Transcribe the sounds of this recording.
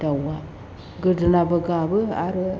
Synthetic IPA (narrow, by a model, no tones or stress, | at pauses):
dawa | ɡədɨnabəɡabəa̰ɾə